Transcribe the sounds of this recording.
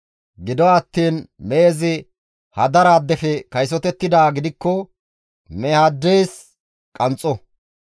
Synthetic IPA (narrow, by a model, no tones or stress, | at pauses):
ɡɪd̪ɔɐt̪ːiːnmeːzɪ | hɐd̪ɐɾaːd̪ːɛfɛkɐjs̬ɔt̪ɛt̪ːɪd̪aːɡɪd̪ɪkːɔ | mɛhad̪ːejs | kʼɐnt͡sʼːɔ